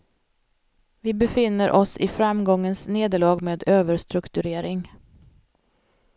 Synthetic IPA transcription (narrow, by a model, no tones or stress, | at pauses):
vɪbɛfɪnːəɾʔɔsɪ̰fɾamɡɔŋːənsneːd̪əɭɑːɡmeːd̪øːvəɾʂt̪ɾɵkt̪ɵɾeːɾɪŋ